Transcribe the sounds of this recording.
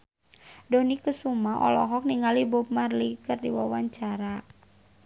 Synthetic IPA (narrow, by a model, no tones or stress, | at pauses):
dɔnikusumaʔɔ̰lɔ̰ɦɔk̚niŋalibɔp̚marlikɨrdḭwawaɲt͡ʃaɾa